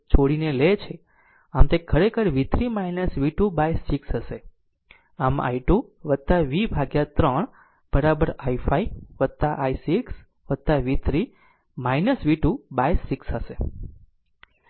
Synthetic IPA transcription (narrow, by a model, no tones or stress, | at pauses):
t͡ʃʰoɽinelet͡ʃʰe | amt̪ekʰəɾekʰəɾʋit̪ʰɾimainəsʋiʈubajsiksɦəʃe | ama̰jʈuʋət̪aʋibʱaɡjat̪ɾəɳ | b̥əɾabəɾaifaiʋəd̪̚t̪aʔajsks | ʋət̪aʋit̪ʰɾi | majnəsʋiʈubajsiksɦəʃe